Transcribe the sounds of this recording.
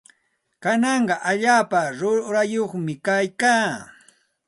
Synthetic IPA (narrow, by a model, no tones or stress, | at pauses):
kanɑɴɢɑʔaʎaːpaɾʊɾajoχmɪkajkaː